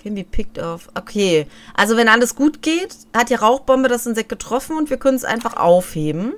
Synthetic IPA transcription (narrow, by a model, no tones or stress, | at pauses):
kʰɛnviːpʰɪk̚tɔfʔokʰeːʔalzovɛnʔaləsɡ̥uːtɡ̥eːt | hat̚jaːʁaʊxb̥ɔmbədasɪnzɛk̚ɡ̥ətʁ̥ɔfn̩ʊntv̥iːɐkʰœnənsʔa̰ɪnfaχʔa̰ʊfheːbm̩